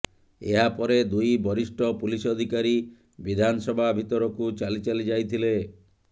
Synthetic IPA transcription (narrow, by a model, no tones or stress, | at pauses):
eɦapɔɾed̪ujbɔɾisʈɔpulisɔd̪ʱikaɾi | bid̪ʱanɔsɔbʱabʱit̪ɔɾɔkut͡ʃalit͡ʃalid͡ʒajt̪ʰile